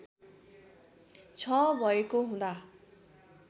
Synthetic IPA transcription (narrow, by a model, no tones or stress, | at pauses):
t͡sʰʌbʱʌekoɦũd̪a